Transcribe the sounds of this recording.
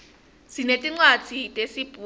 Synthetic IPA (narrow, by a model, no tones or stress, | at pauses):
sinetʼiŋ͡ǀwad̥ʱitʼesib̥ʱu